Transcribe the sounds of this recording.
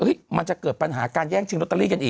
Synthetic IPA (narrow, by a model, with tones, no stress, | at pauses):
ʔɤ˦˥jma˧nt͡ɕa˨˩kɤː˨˩t̪̚pa˧nɦaː˩˦kaː˧njɛː˥˩ŋt͡ɕʰi˧ŋdo˦˥t̪ːa˧liː˥˩ka˧nʔiː˨˩